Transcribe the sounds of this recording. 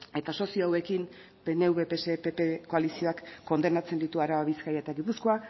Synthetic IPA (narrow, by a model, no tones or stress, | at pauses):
e̞t̪aso̞sioawe̞kin | be̞ne̞uβe̞pe̞se̞pepeko̞alisio̞akːo̞nd̪e̞nat͡se̞nd̪it̪uaɾaβaβiskajaet̪aɣipuskoa